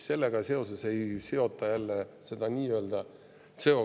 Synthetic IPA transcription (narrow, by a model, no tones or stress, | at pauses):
se̞lːeɡ̥ɑse̞o̞se̞se̞jseo̞t̪ːˑɑjælːese̞d̪̥ɑniːøːld̪̥ɑ | seo